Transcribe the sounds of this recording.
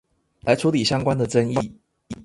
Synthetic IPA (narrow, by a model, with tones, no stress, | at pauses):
la˨˦ɪʈ͡ʂʰu˨˦˥li˨˩ɕjɑ˥ŋkwa˦nd̪ə˨ʈ͡ʂə˥˦ŋi˥˨